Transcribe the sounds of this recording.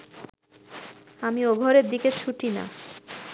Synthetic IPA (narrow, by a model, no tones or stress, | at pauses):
amioɡʱɔɾeɾd̪iket͡ɕʰuʈina̰